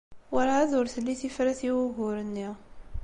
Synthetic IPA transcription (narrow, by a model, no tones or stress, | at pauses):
waɾaæðʊɾθəlːiθifɾæθiwuɣʊɾənːiʁ